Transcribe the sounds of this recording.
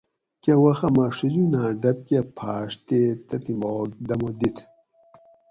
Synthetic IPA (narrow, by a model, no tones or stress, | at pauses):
kewɐxɐmaʂud͡ʑunaːɖɐp̚kepʰaːʂt̪et̪ɐt̪imoːk̚d̪ɐmod̪it̪ʰ